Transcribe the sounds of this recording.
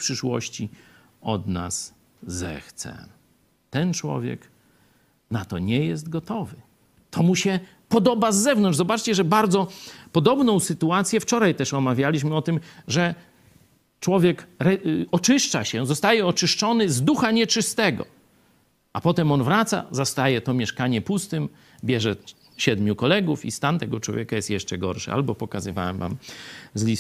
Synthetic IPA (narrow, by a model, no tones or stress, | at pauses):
pʂɘʂwɔ̰ɕt͡ɕi | ɔ̰d̪na̰sː | ɛ̰xt̪sɛ̰ | t̪ɛnt͡ʂwɔ̰vʲjɛ̰k | nat̪ɔ̰ɲɛjɛst̪ɡɔt̪ɔvɘ | t̪ʰɔmuɕɛ | pɔd̪ɔbazːɛvnɔnʐzɔbat͡ʂt͡ɕɛʐɛbaɾd̪zɔpɔd̪ɔbnɔ̃w̃sɘt̪uat̪sʲjɛft͡ʂɔɾajt̪ɛʂɔmavʲjalʲiɕmɘɔt̪ɘmʐɛ | t͡ʂwɔvʲjɛkɾɛɔt͡ʂɘʂt͡ʂaɕɛzɔst̪ajɛɔt͡ʂɘʂt͡ʂɔnɘzd̪uxaɲɛt͡ʂɨst̪ɛɡɔ̰ | apɔt̪ɛmɔnvɾat̪sa̰zast̪ajɛt̪ɔmʲjɛʂkaɲɛpust̪ɘm | bʲjɛʐɛ | ɕɛd̪mʲjukɔlɛɡufḭst̪ant̪ɛɡɔt͡ʂwɔ̰vʲjɛkajɛst̪jɛʂt͡ʂɛɡɔ̰ɾʂɨ̰a̰lbɔpɔkazɨva̰wɛ̰mva̰mzlʲis